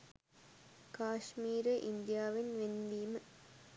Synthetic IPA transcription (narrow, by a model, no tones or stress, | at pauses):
kaːʂmiːɾɐʔind̪jaːʋinʋendiːm